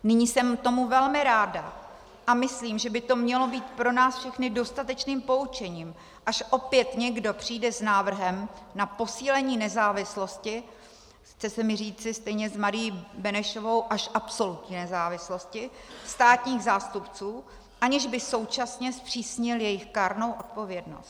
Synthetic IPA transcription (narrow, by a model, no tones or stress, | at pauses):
nɪɲiːsɛmt̪o̞muvɛlmɪɾaːda | ʔamɪsliːmʒɛbɪt̪o̞mɲɛlo̞biːt̪pɾo̞naːsfʃɛxnɪdo̞st̪at̪ɛt͡ʃniːmpo̞ut͡ʃɛɲiːm | ʔaʃʔo̞pjɛt̪ɲɛɡdo̞pr̝̥iːdɛsnaːvr̩ɦɛmnapo̞siːlɛɲiːnɛzaːvɪslo̞scɪ | xt͡sɛsɛmɪriːt͡sɪst̪ɛjɲɛzmaɾɪjibɛnɛʃovo̞wʔaʃʔapso̞lut̪ɲiːnɛzaːvɪslo̞scɪst̪aːt̪ɲiːɣzaːst̪upt͡suː | ʔaɲɪʒbɪso̞wt͡ʃasɲɛspr̝̥iːsɲɪljɛjɪxkaːɾno̞wʔot̪̚po̞vjɛdno̞̰st̪